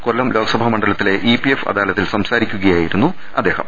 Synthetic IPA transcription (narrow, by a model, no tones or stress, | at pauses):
koɭːɐmlo̞ːɡɐsɐbʱɐmɐɳɖɐlɐt̪ːile̞ʔipiefɐ̰d̪aːlɐt̪ːilsɐmsaːɾikʲːuɣɐjaːjiɾunːu | ɐd̪ːe̞ːhɐ̰m